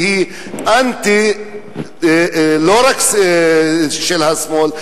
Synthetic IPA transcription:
hi | ɐnt̪i | loɾɐks | ʃelhɐsmoːl

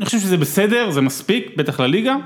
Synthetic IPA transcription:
anixoʃevʃezebesed̪e̞ʁzemaspikbet̪aχlaliɡa

